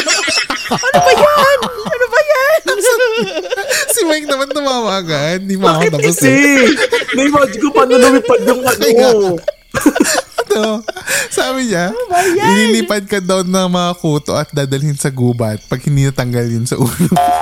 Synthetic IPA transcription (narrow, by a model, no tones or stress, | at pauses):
ɐnobɐjanɐnobɐjans | sɪmɐjk̚nɐmanːɐmamaːɡaʔɐnːimad̪ɐbʊsɪ | nɐɪmad͡ʒkʊpɐnɐnɐmipɐd̪̚jʊŋɐɐʔɪɡa | t̪osaːbɪɲaʔɪniːliːpɐd̪̚kɐd̪ɐwnɐŋmɐŋɐkuːt̪o̰ʔɐt̪̚d̪aːd̪ɐlɪnsɐɡuːbɐt̪̚pɐɡ̚hɪnd̪inɐt̪ɐŋɡɐljʊnsɐʔuːlo